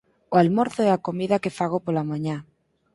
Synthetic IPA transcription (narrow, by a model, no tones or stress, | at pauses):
oalmo̞ɾθoeako̞miðake̞faɣ̞opolamãɲa